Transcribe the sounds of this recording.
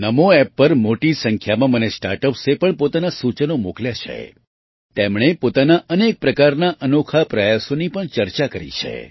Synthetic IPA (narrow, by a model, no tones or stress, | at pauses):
nəmoɛpːəɾmoʈisəŋkʰjamãmənesʈa̰ɾʈəpsepəɳpot̪anasut͡ʃənomokljat͡ʃʰḛ | t̪emɳ̃epot̪anaʔənek̚pɾəkaɾnaʔənokʰapɾəjasonipəɳt͡ʃəɾt͡ʃakəɾḭt͡ʃʰḛ